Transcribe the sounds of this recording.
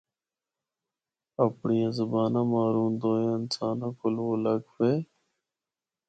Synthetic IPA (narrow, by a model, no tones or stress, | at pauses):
əpɳiːãzəbaːnãmaːɾuːnd̪oːjẽːɪnsaːnãːkʊlwoːləɡfeː